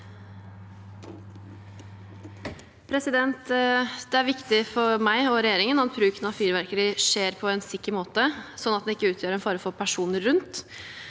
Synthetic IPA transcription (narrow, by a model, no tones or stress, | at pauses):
pʰɾɛsɪd̪ɛnt̪d̪̥ɛæɾʋɪkt̪ɪfɔɾmæɪɔɾɛjeːɾɪŋənɑt̪bɾʉːknɑfiːɾʋæɾkəɾɪʂeːɾpʰɔɛnsɪkːəɾmoːt̪əsɔnːɑt̪d̪ɛnɪkːəʉːt̪ʰjøːɾɛnfɑːɾəfoːpʰæʂuːnəːʉnt̪